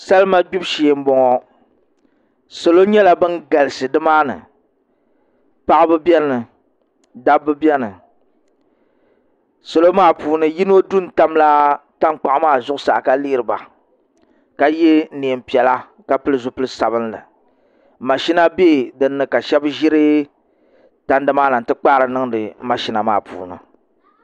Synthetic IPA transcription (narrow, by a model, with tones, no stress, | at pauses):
sa˦lma˦ɡ͡bu˦bʃi˨m̩˦bɔ˨ŋɔ˦ | so˨lo˦ɲɛ˦la˦bɨ˦nɡa˨lɨ˨sɨ˨dɨ˦maː˦nɨ̰˨ | pa˦ʔbɨ˦bɛ˦nɨ˨ | da˦bːɨ˦bɛ˦nɨ˨ | so˨lo˦maː˦˨puː˨nɨ˨ji˦n˦o˦du˦n̩˨ta˦mla˦ta˦ŋk͡pa˨ʔmaː˦˨zʊ˦ʔʊ˦sa̰˨ka˦li˦ɾɨ˨ba̰˨ | ka˦je˦ne˨e˨m̩˨pi˨ɛ˨la˦ | ka˦pɨ˦lɨ˦zʊ˨pɨ˦lɨ˦sa˨bɨ˦nlɨ̰˨ | ma˨ʃi˦na˦beː˦˨dɨ˨nːɨ˨ka˨ʃɛ˦bʒi˦ɾɨ˦ | ta˦n˦dɨ˨maː˦na˨n˨tɨ˦k͡pa˦ɾɨ˨nɨ˦ŋdɨ˨ma˨ʃi˦na˨ma̰ː˦˨pṵː˨nɨ̰˨